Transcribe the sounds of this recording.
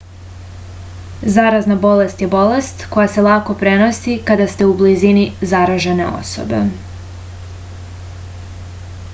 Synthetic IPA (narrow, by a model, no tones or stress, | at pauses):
zaɾaznabo̞le̞st̪je̞bo̞le̞st̪ko̞jase̞lˠako̞pɾe̞no̞sikad̪ast̪e̞ublizinizaɾaʒene̞̰o̞̰so̞̰bḛ